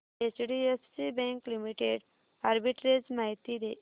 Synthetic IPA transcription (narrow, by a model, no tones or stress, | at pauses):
et͡ɕɽiessibɛ̃ŋklimiʈeɖ | aɾbiʈɾed͡ʑmaɦit̪id̪e